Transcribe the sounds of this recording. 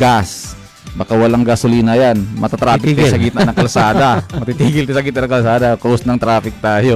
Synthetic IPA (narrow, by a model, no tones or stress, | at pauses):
ɡas | bakawɐlaŋɡasʊliːnɐjanmɐt̪at̪ɾaːpɪt̪asɐɡiːt̪nanɐŋkɐlsaːd̪amɐt̪it̪iːɡɪlt̪ɪsɐɡit̪ɐnɐŋkɐlsaːd̪akoʊsnɐŋt̪ɾaːpɪk̚t̪aːjo